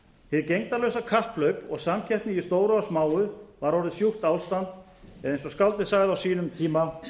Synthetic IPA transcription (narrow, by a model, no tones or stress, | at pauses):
hɪðcejŋt̪alœwsakʰahplœɥpɔɣsamcʰɛjht̪nɪist̪oːwɾʏasmaːwʏvaɾɔɾɪðsjuht̪aːwst̪ant̪ | ɛðejnsɔskawlt̪ɪ̥saːɣðɪawsiːnʏmt̪ʰiːma